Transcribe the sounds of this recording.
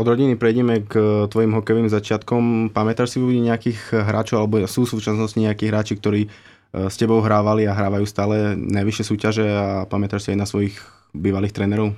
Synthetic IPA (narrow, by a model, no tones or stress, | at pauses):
ɔd̪ɾɔɟinipɾɛjɟɛmɛkt̪ʋɔjimɦɔkɛjʋiːmzat͡ʃɪat̪kɔmpamɛt̪aʃsiʋubiɲɛakiːɣɦɾa̰ːt͡ʃɔʊalɛbɔsuːsuːt͡ʃasnɔsciɲɛakiːɣɦɾaːt͡ʃik̚t̪ɔɾiː | scɛbɔʊɦɾaːʋaliaɦɾaːʋajuːst̪aːlɛnajʋiʃjɛsuːcaʒɛapamɛt̪aʃsiajnasʋɔjiɣ | biːʋaliːxt̪ɾɛnɛɾɔʊ